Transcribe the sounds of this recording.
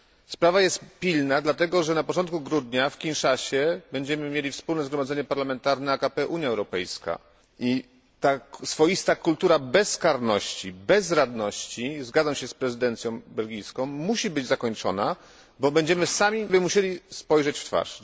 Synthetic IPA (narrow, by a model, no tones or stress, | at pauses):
spɾavajɛst̪pʲilnad̪lat̪ɛɡɔʐɛnapɔt͡ʂɔnt̪̚kuɡɾud̪ɲafkʲinʂaɕɛbɛɲd͡ʑɛmɘmʲjelʲifspulnɛzɡɾɔmad̪zɛɲɛpaɾlamɛnt̪aɾnɛakapɛʔuɲjaɛwɾɔpɛ̰jska̰ | ʔi | t̪asfɔjist̪akult̪uɾabɛskaɾnɔɕt͡ɕibɛzɾad̪nɔɕt͡ɕizɡad̪zamɕɛspɾɛzɘd̪ɛnt̪sʲjɔ̃w̃bɛlɡʲijskɔ̃w̃ːuɕibɘd͡ʑzakɔɲt͡ʂɔ̰na | bɔbɛɲd͡ʑɛmɘsamʲibɘmuɕelʲispɔjʐɛt͡ɕft̪fa̰ʂ